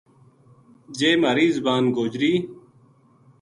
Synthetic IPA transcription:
d͡ʑeːməɾiːzbaːnɡoːd͡ʑɾiː

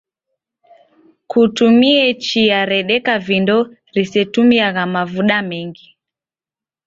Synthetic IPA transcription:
kutumiɛt͡ʃiaɾɛɗɛkavindɔ | ɾisɛtumiaɣamavuɗamɛŋɡi

